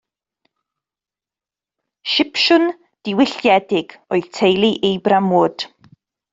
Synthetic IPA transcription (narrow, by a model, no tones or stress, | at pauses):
ʃɪpʃʊn | d̥ɪwɪɬjɛdɪɡ̥ɔjð̥tʰejlˠiʔejbramʊːd̥